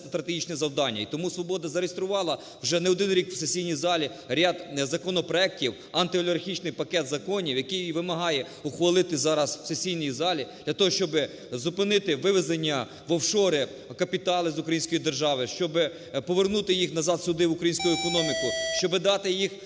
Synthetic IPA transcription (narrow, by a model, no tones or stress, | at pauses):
st̪ɾɐt̪eɦit͡ʃnɛzɐwd̪ɑnʲːɐ̰it̪ɔmusʋɔbɔd̪ɐzɐɾeist̪ɾʊʋɑlˠɐ | wʒɛnɛɔd̪ɪnɾʲikw̥sesʲijnʲijzɑlʲi | ɾʲad̪zɐkɔnɔpɾɔɛk̚tʲiw | ɐnt̪ɪɔlʲɐrxʲit͡ʃnɪjpɐkɛt̪zɐkɔnʲiwjɐkɪjʋɪmɐɦɑjɛ | ʊxʋɐlˠɪt̪ɪzɑɾɐsw̥sesʲijnʲijzɑlʲid̪̥lʲɐt̪ɔɦɔʃt͡ʃɔbɪ | zʊpɪnɪt̪ɪʋɪʋezenʲːɐ | ʋɔwʃɔɾɪ | kɐpʲit̪ɑlˠɪzʊkɾɐjinsʲkɔjid̪erʒɑʋɪʃt͡ʃɔbɪ | pɔʋernut̪ɪjixnɐzɑt̪sʊd̪ɪʋʊkɾɐjinʲsʲkʊjʊekɔnɔmʲikʊʃt͡ʃɔbɪd̪ɑt̪ɪjix